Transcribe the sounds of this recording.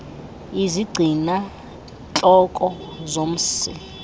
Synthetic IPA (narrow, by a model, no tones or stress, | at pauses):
iziɡ͡ǀʱina | t͡ɬʼɔkʼɔ | zom̩sḭ